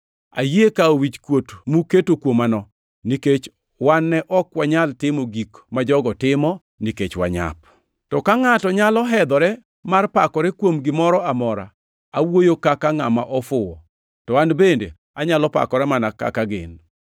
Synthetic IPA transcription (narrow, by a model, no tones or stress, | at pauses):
a̰jekaowit͡ʃkwotmuketokwomanɔ | niket͡ʃ | wanːɛʔɔkwaɲaltɪmoɡikmad͡ʒɔɡɔtɪmɔ | niket͡ʃwa̰ɲa̰p̚ | tɔkaŋatɔɲalɔɦɛd̪ɔɾɛ | marpakɔɾɛkwomɡɪmɔɾɔamɔɾa̰ | awojokakaŋamaʔɔfʊɔ | tɔanbendḛ | aɲalɔpa̰kɔɾɛmanaka̰kaɡɪ̰n